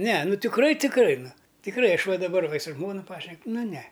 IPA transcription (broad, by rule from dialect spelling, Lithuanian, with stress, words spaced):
nʲɛ nʊ tʲɪkˈrɐɪ tʲɪkˈrɐɪ nʊ tʲɪkˈrɐɪ ˈɐʃ ˈʋɐ dɐˈbɐr ʋɐ ɪ sʊ ˈʒmoːnʊ ˈpɑːʃʲnʲɛk ˈnʊ nʲɛ